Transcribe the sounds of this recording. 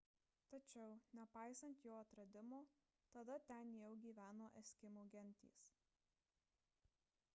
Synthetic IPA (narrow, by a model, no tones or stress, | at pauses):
t̪ɐt͡ʃʲɛʊnʲɛpɑˑɪsɐnt̪joːɐt̪ɾɐd̪ʲɪmoː | t̪ɐd̪ɐt̪ʲɛnjɛʊɡʲiːʋʲæːnoːʔɛsʲkʲɪmoːɡʲɛnʲˑt̪ʲḭːs